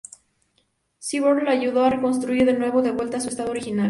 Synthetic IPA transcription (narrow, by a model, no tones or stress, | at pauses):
siβoɾlaaʝuðo̞are̞ko̞ns̬t̪ɾuiɾðe̞nwe̞βo̞ðe̞βwe̞lt̪asue̞st̪aðooɾixinal